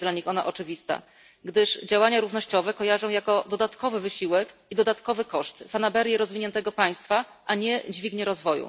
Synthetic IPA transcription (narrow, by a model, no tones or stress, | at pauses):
d̪laɲixɔna̰ʔɔt͡ʂɘvʲist̪a̰ | ɡd̪ɘʂd͡ʑawaɲaɾuvnɔɕt͡ɕɔvɛkɔjaʐɔ̃w̃jakɔd̪ɔd̪at̪kɔvɘvɘɕiwɛkid̪ɔd̪at̪kɔvɘkɔʂt̪fanabɛɾʲjɛɾɔzvʲiɲɛnt̪ɛɡɔpaj̃st̪faʔaɲɛd͡ʑvʲiɡɲɛɾɔzvɔjṵ